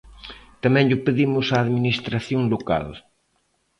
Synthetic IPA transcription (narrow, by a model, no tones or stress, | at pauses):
t̪amɛ̃ŋʎʊpeðimʊsaːðminist̪ɾaθjoŋloka̰l